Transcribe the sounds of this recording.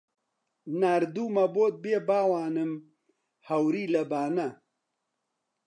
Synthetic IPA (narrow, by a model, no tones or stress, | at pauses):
naɾd̪uːmɐboːt̪̚beːbaːwaːnɨm | hɐwɾiːlɐbaːnɐ